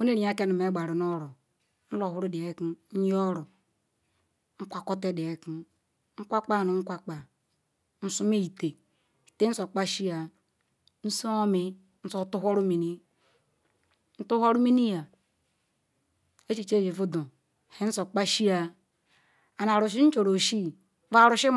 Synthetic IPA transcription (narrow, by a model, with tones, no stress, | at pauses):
o˦ne˦ɾi˨˦a˦ke˦nu˨me˦ɡ͡ba˨ɾi˨no˦ɾo˨ | n̩˦lo˨hu˦ɾu˦di˨e˦ki˦ɲ˦o˦ɾo˨ | ŋ̩˦kʷa˨ko˦te˦de˨e˨ki˦ | ŋ̩˦kʷa˦k͡pa˦˨nu˨ŋ̩˦kʷa˦k͡pa˨ | n̩˦su˦me˦i˨te˨ | i˨te˦n̩˦so˨k͡pa˦ʃi˦a˨ | n̩˦so˦o˦mi˨ | n̩˦so˨˦tu˦ɦʷo˦ɾu˦mi˨ni˦ | n̩˦tu˦hʷo˦ɾu˦mi˦ni˦ja˨ | e˦t͡ʃi˨t͡ʃe˦˨vi˨vu˦do˨ | he˦n̩˦so˨k͡pa˦ʃi˦a˨ | a˨na˨ɾu˨ʃ̬i˦n̩˦t͡ʃo˨ɾo˨ʃi˦˨ | va˨ɾu˨ʃi˦